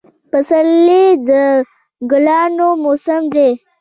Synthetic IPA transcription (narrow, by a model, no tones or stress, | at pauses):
pəsəlːid̪ə | ɡʊlɑːnomosəmd̪e